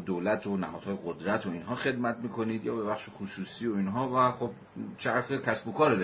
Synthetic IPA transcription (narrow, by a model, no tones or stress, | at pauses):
d̪olæt̪ʰonæ̰hɒ̰d̥̪hɒːje̞ɡod̪ɾæt̪ʰoinɦɒːxe̞d̪mæt̪̚miːkʰo̞niːd̪jɒ̰ːbe̞bæχʃexusuːsiːoinɦɒːvæxob | t͡ʃʰæɾxekʲʰæsbokʰɒːɾod̪